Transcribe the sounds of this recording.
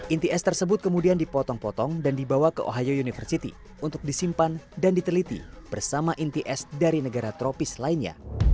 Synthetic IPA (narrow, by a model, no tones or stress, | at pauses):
ʔint̪iɛst̪ərsəbʊt̪̚kəmudiandipɔt̪ɔŋpɔt̪ɔŋdandibawakəʔo̰ɦajounifərsit̪ḭ | unt̪ʊk̚disimpandandit̪əlit̪ḭb̥ərsamaʔint̪iʔɛsdaɾinəɡaɾat̪ɾopislainɲa̰